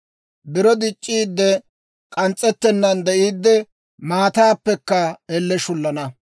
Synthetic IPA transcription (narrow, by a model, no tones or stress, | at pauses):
bɪɾɔd̪ɪt͡ʃʼːiːd̪ːɛ | kʼɐnt͡sʼːɛt̪ːɛnːɐnd̪ɛʔiːd̪ːɛ | maːt̪aːpːɛkːɐɛlːɛʃʊlːɐnɐ